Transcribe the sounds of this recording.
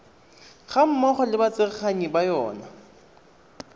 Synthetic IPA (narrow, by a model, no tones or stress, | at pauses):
χam̩mɔχɔlɪbat͡sɪrχaɲibajɔːna